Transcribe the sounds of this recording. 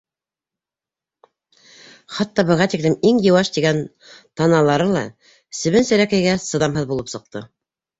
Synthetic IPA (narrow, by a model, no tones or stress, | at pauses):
χɑt̪ːɑbɤ̆ʁɑt̪iklɘmiŋjɤ̆wɑʃt̪iɡæn | t̪ɑnɑlˠɑɾɤlˠɑ̰ | sɘ̆βɘnsɘ̆ɾækæ̆jɡæsɤ̆ðɑmɦɤðbulˠɤpsɤ̆q̚t̪ɤ